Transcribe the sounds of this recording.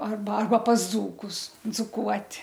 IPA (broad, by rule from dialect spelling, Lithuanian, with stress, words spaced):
ˈɐrbɐ ˈɐrbɐ pɐs ˈd͡zuːkʊs d͡zʊˈkuɔtʲ